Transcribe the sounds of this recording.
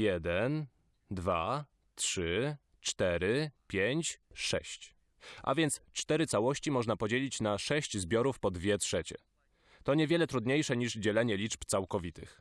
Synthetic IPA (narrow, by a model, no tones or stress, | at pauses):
jɛd̪ɛn | d̪va | tʂɘ | t͡ʂt̪ɛɾɘpʲjeɲt͡ɕʂɛ̰ɕt͡ɕ | ʔa̰vʲjɛnt̪st͡ʂt̪ɛɾɘt̪sawɔɕt͡ɕimɔʐnapɔd͡ʑelʲit͡ɕnaʂɛɕt͡ɕzbʲjɔɾufpɔd̪vʲjɛtʂɛt͡ɕɛ̰ | t̪ɔɲɛvʲjɛlɛt̪ɾud̪ɲejʂɛɲiʐd͡ʑɛlɛɲɛlʲit͡ʂpt̪sawkɔvʲit̪ɘ̰x